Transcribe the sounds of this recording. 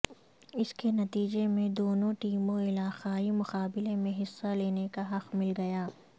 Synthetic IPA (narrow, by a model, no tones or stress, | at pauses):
ɪskenɐt̪iːd͡ʒemẽd̪oːnõʈiːmõɪlaːqaːimʊqaːbɪlemẽɦɪsːaleːnekaɦɐqmɪlɡɐjaː